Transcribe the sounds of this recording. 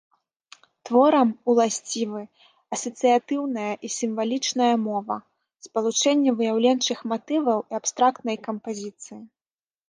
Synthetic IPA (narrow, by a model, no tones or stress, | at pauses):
t̪vɔɾɐmulˠasʲt͡sʲivɨ | ɐsɐt̪sɨjat̪ɨwnɐjɐʔisʲimvalʲit͡ʂnɐjɐmɔvɐ̰ | spɐlˠut͡ʂɛnʲːɛvɨjawlʲɛnt͡ʂɨxmat̪ɨvɐwiapst̪ɾakt̪̚nɐjkɐmpazʲit̪sɨji